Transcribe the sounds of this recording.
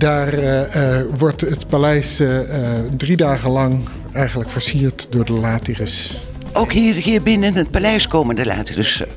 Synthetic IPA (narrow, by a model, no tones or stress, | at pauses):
daːr | ʋɔɹtətpalɛjs | dridaːχəlɑŋ | ɛjχənləkfəɹsiːɹtdʊːɹdəlaːtirəs | ʔowkɦiːrɦiːɹbɪnənət̚palɛjskoːməndəla̰ːtirəs